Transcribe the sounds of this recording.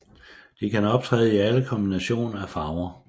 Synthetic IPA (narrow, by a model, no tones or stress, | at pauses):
d̥ekʰænɒ̽b̥̚t͡sʰʁɛ̰ːðˠiæləkʰɒ̽mb̥inæɕo̝̰ːnɐæfɑ̈ʊɐ